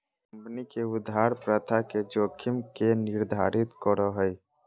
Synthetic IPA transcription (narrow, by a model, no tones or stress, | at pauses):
kəmpnikeʊd̪ʱaɾpɾət̪ʰaked͡ʒoːkʰimkenɪɾd̪ʱa̰ɾit̪kəɾɔɦəj